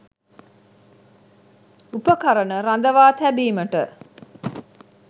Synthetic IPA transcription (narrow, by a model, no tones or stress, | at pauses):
upəkaɾənəɾand̪əʋaːt̪æbiːməʈə̰